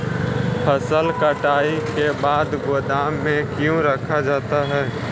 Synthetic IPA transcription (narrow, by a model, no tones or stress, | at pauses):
pʰəsəlkəʈaːikebaːd̪ɡod̪aːmːẽkjũɾəkʰad͡ʒaːt̪aɦɛː